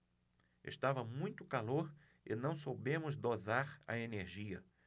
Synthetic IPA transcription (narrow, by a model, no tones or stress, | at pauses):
ḛst̪avɐmũj̃t̪ʊkaloɾ | ɪ̰nɐ̃w̃sobẽmʊzd̪ozaɾɐ̰eneɾʒiɐ